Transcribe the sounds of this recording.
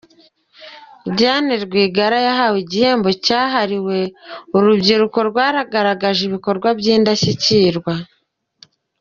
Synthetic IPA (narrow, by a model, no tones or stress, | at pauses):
ɟaːniɾɡwiːɡaɾajaɦawiɟihe̞ːmbo̞caːɦaɾiwe̞oɾubɟiɾuko̞ɾɡwaːɾaɡaɾaɡaʒiβiko̞ɾɡwabjiːndaɕiciːɾɡwa